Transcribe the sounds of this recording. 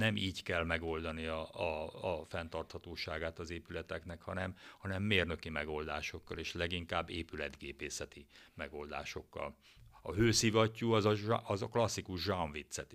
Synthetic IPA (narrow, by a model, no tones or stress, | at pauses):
nɛmʔiːckɛlmɛɡo̞ld̪ɒniɒɒfɛnt̪ɒrt̪hɒt̪oːʃaːɡaːt̪ɒzeːpylɛt̪ɛknɛkhɒnɛmhɒnɛmːeːrnø̞kimɛɡo̞ld̪aːʃo̞kːɒleːʃlɛɡiŋkaːbːeːpylɛd̪ɡeːpeːsɛt̪imɛɡo̞ld̪a̰ːʃo̞kːɒ̰l | ɒɦøːsivɒcːuːɒzɒʒɒzɒklɒsːikuʒʒɒɱvit̪sɛt̪